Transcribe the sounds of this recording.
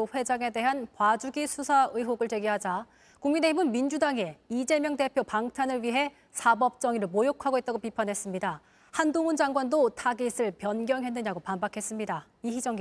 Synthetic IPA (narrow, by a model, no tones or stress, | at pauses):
oɸwe̞d͡ʑaŋe̞de̞ɦankwad͡ʑuɡisʰusʰaɯiɦoɡɯɭt͡ɕe̞ɡiɦad͡ʑa | kuŋmine̞ɦibɯnmind͡ʑudaŋe̞id͡ʑe̞mjʌŋte̞pʰjopaŋtʰanɯɭɥiɦe̞ | sʰabʌp̚t͡ɕ͈ʌŋiɾɯɭmojokʰaɡoit͈̚aɡopipʰanɦe̞s͈ɯmɲida | handoŋɯnd͡ʑaŋɡwandotʰaɡisʰɯɭpjʌnɡjʌŋɦe̞nːɯɲaɡopambakʰe̞s͈ɯmɲida | iɦid͡ʑʌŋɡ